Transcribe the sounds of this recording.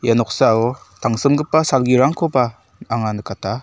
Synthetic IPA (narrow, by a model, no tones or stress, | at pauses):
janɔk̚saɔtʰaŋsɯmɡɯpːasalɡiɾaŋkʰɔba | aŋanɯkatʰa